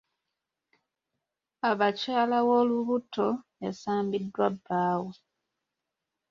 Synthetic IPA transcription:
aβacaːlawo̞luβutʰo̞jasaːmbidːwabːaːwe

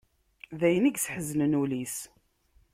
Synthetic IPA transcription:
ðæjəniɡsħəznənulis

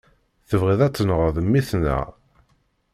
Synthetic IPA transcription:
θəvʁiðæt͡sːnəʁəðˤəmːiθnæ̰

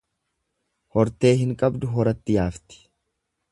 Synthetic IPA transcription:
hɔɾt̪e̞ːɦɪŋkʼɐbd̪ʊɦɔɾɐt̪ːɪjaːft̪ɪ̥

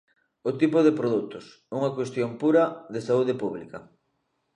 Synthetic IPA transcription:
ot̪ipʊðepɾoðut̪os | uŋakwest̪jompuɾɐðesauð̞epuβlikɐ

